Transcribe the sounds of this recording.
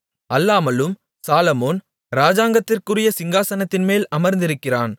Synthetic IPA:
ɐlːaːmɐlɯm | saːlɐmoːn | ɾaːd͡ʒaːŋɡɐt̪ːɪrkɯrɪjɐsɪŋɡaːsɐnɐt̪ːɪnmeːlɐmɐɾnd̪ɪɾɯkːɪraːn

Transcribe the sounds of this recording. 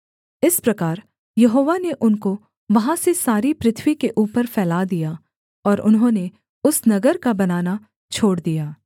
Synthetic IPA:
ɪspɾɐkaːɾ | jɐɦoːʋaneʔʊnko | ʋɐɦãsesaːɾipɾɪt̪ʰʋikeʔuːpəɾfɛːlaːd̪ija | ɔːɾʔʊ̰nɦõːne | ʊsnɐɡəɾkabɐnaːna | t͡ʃʰoːɽd̪ijaː

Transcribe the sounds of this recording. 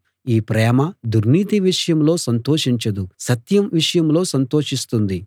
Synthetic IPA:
iːpɾɛːmɐd̪uɾniːt̪iʋiʂɐjɐmlo̞ːsɐnt̪o̞ːʂiɲt͡ʃɐd̪usɐt̪jɐmʋiʂɐjɐmlo̞ːsɐnt̪o̞ːʂist̪und̪i

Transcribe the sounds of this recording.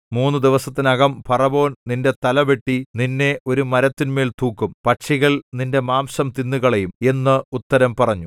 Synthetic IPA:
muːnːud̪iʋɐsɐt̪ːinɐɣɐmpɐrɐbo̞ːnninde̞t̪ɐlɐʋe̞ʈːininːe̞ʔo̞ɾumɐɾɐt̪ːinme̞ːlt̪uːkːumpɐʈʂiɣɐɭninde̞maːmsɐmt̪inːuɣɐɭejume̞nːɨut̪ːɐɾɐmpɐrɐɲːu

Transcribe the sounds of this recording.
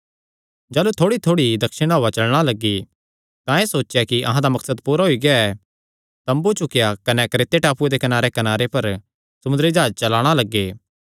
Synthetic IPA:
d͡ʒaːlut̪ʰoːɽit̪ʰoːɽid̪ɐkʃəɽ̃aːat͡ʃɐlɽ̃alɐɡːi | t̪ãeːsoːt͡ʃːjakiʔɐ̰ɦãd̪amɐksəd̪puːɾaɦoiɡeaɛ | t̪ɐ̃mbut͡ʃʊkjakɐnɛkɾeːt̪eʈaːpued̪ekɐnaːɾekɐnaːɾepɐɾ | sɐmʊ̃nd̪əɾid͡ʒaːd͡ʒt͡ʃɐlaːɽ̃alɐɡːeː

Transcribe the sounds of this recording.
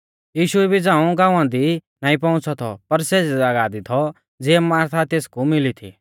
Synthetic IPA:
jiːʃʊɛbʱid͡zãːũɡãːũãd̪i | nãːĩpɔ̃ʊ̃t͡sʰɔt̪ʰɔ̰pɐɾseɛaɡaːd̪it̪ʰɔ | d͡ziɛmaːɾt̪ʰat̪eːskumɪlit̪ʰḭː

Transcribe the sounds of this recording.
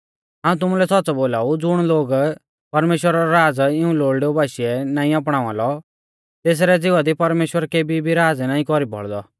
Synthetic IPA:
ɦãːũt̪ʊmulɛsɔtːt͡sɔboːlaːud͡zʊɽ̃loːɡ | pɐɾmeːʃwəɾaɾɔɾaːd͡zɪũloːɽɖeobaːʃiɛnaːĩap̬ɽ̃aːʋãlɔ | t̪eːs̬ɾɛd͡zɪʋad̪ipɐɾmeːʃwəɾkeːbibʱiɾaːd͡znaːĩkɔɾibʱɔ̰ɭd̪ɔ

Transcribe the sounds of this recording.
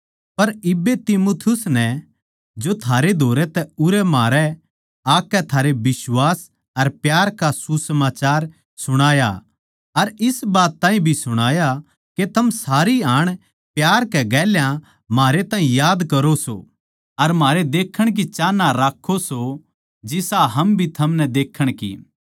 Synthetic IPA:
pɐɾɪbːet̪imoːt̪ʰɪjʊsnɛ | d͡ʒot̪ʰaːɾed̪ʱoːɾɛt̪ɛʊɾɛmaːɾɛ | aːkːɛt̪ʰaːɾebɪswaːs | ɐɾpjaːɾkasusəmaːt͡ʃaːɾ | sʊɽ̃aːja̰ | ɐɾɪsbaːt̪ːãːĩbʱisʊɽ̃aːja | ket̪ʰɐmsaːɾiaːɽ̃ | pjaːɾkɛɡɛːljã | maːɾet̪ãːɦĩjaːd̪kɐɾoso̰ | ɐɾmaːɾed̪eːkʰːəɽ̃k̬it͡ʃaːnːaɾaːkʰːoso | d͡ʒɪsaɦɐmbʱit̪ʰɐmnɛd̪eːkʰːəɽ̃kḭː

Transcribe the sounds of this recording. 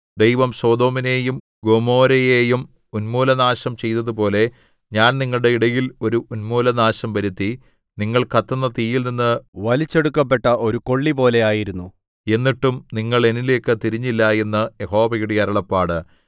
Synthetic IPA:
d̪e̞jʋɐmso̞ːd̪o̞ːmine̞ːjum | ɡo̞mo̞ːɾɐje̞ːjum | unmuːlɐnaːɕɐmt͡ɕe̞jt̪ːɐðupo̞ːle̞ | ɲaːnniŋːɐɭɨɽe̞iɽɐjilo̞ɾuʔunmuːlɐnaːɕɐmʋɐɾut̪ːi | niŋːɐɭkɐt̪ːɐnːɐt̪iːjilninːɨʋɐlit͡ɕːe̞ɽukːɐp̬ːe̞ʈːɐʔo̞ɾuko̞ɭːipo̞ːle̞aːjiɾunːu | e̞nːiʈːumniŋːɐɭe̞nile̞ːkːɨt̪iɾiɲːilːɐe̞nːɨje̞ho̞ːʋɐjuɽijɐɾɐɭɐpːaːɽɨ

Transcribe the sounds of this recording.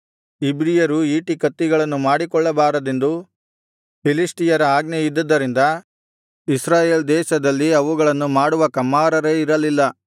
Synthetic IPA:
ibɾijɐɾuiːʈikɐt̪ːiɡɐɭɐnːumaːɽikɔɭːɐbaːɾɐd̪end̪u | pʰilisʈijɐɾɐaːɡnejid̪ːɐd̪ːɐɾind̪ɐ | isɾaːjeːld̪ɛːʃɐd̪ɐlːiɐʋuɡɐɭɐnːumaːɽuʋɐkɐmːaːɾɐɾeiɾɐlilːɐ

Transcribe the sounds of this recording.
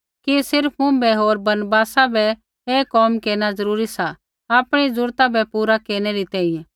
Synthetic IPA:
kisɪɾpʰmʊ̃bɛɦoːɾbɐnbaːsabʱɛ | eːkɔːmkeːɽ̃azɐɾuːɾisa | aːpɽ̃izʊɾt̪abɛpuːɾakeːɾɽ̃ɛɾit̪ɛːĩjɛ̃

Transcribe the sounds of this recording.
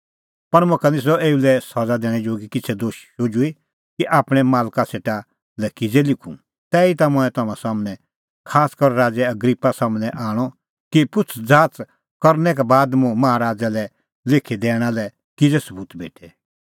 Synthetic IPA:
pɐɽ̃mokanɪs̬ɔeːulɛsɔd͡zad̪ɛːɽ̃ɛd͡ʒoːɡikɪt͡sʰɛd̪oːʃʃoːd͡ʒui | kiʔaːpɽ̃ɛmaːlkaseːʈa | lɛkɪd͡zɛlɪkʰṵ̃ | t̪ɛːit̪amʊ̃ɛ̃t̪ɐmãsaːmnɛ̃ | kʰaːskɔɾɾaːd͡zɛɐɡɾipːasaːmnɛʔãːɔ | kipʊt͡sʰd͡zaːt͡s | kɐɾnɛk̬ɛbaːd̪mʊ̃mɐɦaɾaːd͡zalɛ | lɪkʰid̪ɛːɽ̃alɛ | kɪd͡zɛsɐbuːt̪bḛːʈʰɛ

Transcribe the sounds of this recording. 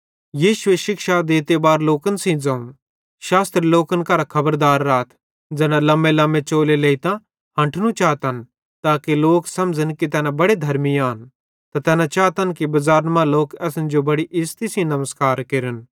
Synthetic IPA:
jiːʃʊeʃɪkʃad̪eːt̪ebaːɾloːkənsĩd͡zɐ̃ũ | ʃaːst̪ɾiloːkənkɐɾakʰɐbəɾd̪aːɾːaːt̪ʰ | d͡zɛːnãlɐ̃mbelɐ̃mːet͡ʃoːleleːit̪ã | ɦɐ̃ɳʈʰnũt͡ʃaːt̪ən | t̪aːkiloːksɐmd͡ʒənkit̪ɛːnãbɐɽed̪ʱɐɾmiaːn | t̪at̪ɛːnãt͡ʃaːt̪ənkibɐzaːɾmãloːkɛːsnd͡ʒobɐɽiʔɪst̪isĩnɐməskaːɾkeɾən

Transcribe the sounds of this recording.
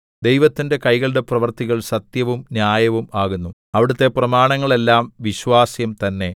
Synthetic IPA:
d̪ejʋɐt̪ːinde̞kɐjɣɐɭɽe̞prɐʋɐrt̪iɣɐɭsɐt̪jɐʋumnjaːjɐʋumaːɣunːuɐʋiɽut̪ːe̞prɐmaːɳɐŋːɐɭe̞lːaːmʋiɕʋaːsjɐmt̪ɐnːe̞

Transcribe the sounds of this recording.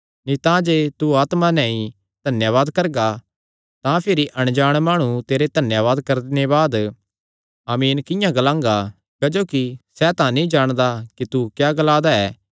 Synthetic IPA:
nĩt̪ãd͡ʒeːt̪uaːt̪manɛ̃ĩ | d̪̥ʱɐnjaʋaːd̪kɐɾɡa | t̪ãpʰɪɾiʔɐɽ̃d͡ʒaːɽ̃maːɽ̃ũt̪eːɾed̪ʱɐnjaʋaːd̪kɐɾd̪ɪneβaːd̪ | aːmiːnkɪ̃jãɡɐlãːŋɡa | kɐd͡ʒoːkisɛt̪ãnĩd͡ʒaːɽ̃d̪akit̪ukjaːɡəlaːd̪aɛː

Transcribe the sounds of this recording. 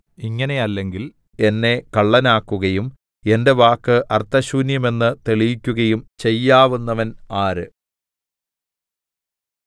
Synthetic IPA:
iŋːɐne̞ɐlːe̞ŋɡil | e̞nːe̞kɐɭːɐnaːkːuɣɐjum | e̞nde̞ʋaːkːɨʔɐrt̪ːɐɕuːnjɐme̞nːɨt̪eɭijikʲːuɣɐjumt͡ɕe̞jːaːʋunːɐʋɐnaːɾɨ

